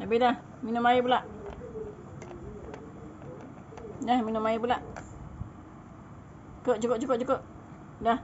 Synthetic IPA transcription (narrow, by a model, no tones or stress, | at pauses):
t̪abidah | minomaibulaʔ | dahminomaibulaʔ | koʔt͡ʃukoʔ̚t͡ʃukoʔt͡ʃukoʔ | dah